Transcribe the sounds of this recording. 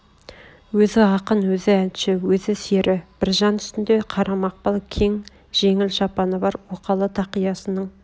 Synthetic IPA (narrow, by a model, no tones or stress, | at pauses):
wɵzɪɑqənwɵzɪænʃɪwɵzɪse̞ɾʔɪb̥ɪɾʒɑnʏst̪ɪnd̪e̞qʰɑɾʔɑmɑq̚pɑlˠkʲʰe̞ŋ | ʒ̥e̞ŋɪlʃɑpɑnəbɑɾwoqɑlˠət̪ʰɑqijɑsənəɴ